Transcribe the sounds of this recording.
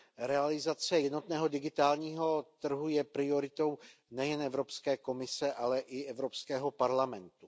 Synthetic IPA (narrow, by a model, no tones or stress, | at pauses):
ɾɛalɪzat͡sɛjɛdno̞t̪nɛːɦo̞dɪɡɪt̪aːlɲiːɦo̞t̪r̩ɦujɛpɾɪo̞ɾɪt̪o̞wnɛjɛnʔɛvɾo̞pskɛːko̞mɪsɛʔalɛʔɪʔɛvɾopskɛːɦo̞paɾlamɛnt̪u